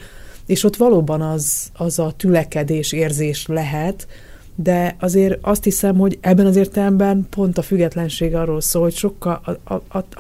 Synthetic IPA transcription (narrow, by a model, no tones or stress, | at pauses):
eːʃo̞t̪ʋɒloːbɒnɒzɒzɒt̪ylɛkɛd̪eːʃeːrzeːʃlɛɦɛt̪ | d̪ɛɒzeːɾɒst̪hisɛmho̞ɟɛbːɛnɒzeːrt̪ɛlɛmbɛnpo̞nt̪ɒfyɡːɛt̪lɛnʃeːɡɒrːoːlsoːlho̞cʃo̞kːɒ